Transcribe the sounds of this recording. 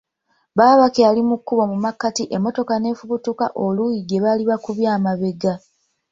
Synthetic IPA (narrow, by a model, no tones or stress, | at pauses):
βaːβakealimukːuβo̞mumakːatiʔemːo̞to̞kane̞fuβutuka̰ʔo̞lujiɡe̞βaliβakuβjaːmaβe̞ɡa